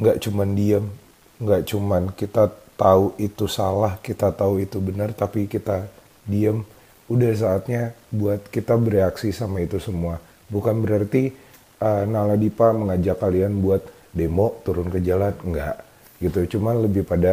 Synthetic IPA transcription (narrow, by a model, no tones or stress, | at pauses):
ŋɡaʔt͡ʃumandiam | ŋɡaʔt͡ʃumankit̪at̪auit̪usalahkit̪at̪auit̪ubənərt̪apikit̪a | diəm | udahs̬aːt̪̚ɲabuat̪̚kit̪abəɾeaksisamait̪usəmua | bukanbəɾart̪i | ənaladipaməŋad͡ʒakːalianbuat̪̚ | demoʔt̪uɾʊnkəd͡ʒalanŋɡaʔ | ɡit̪ut͡ʃumanləbɪhpada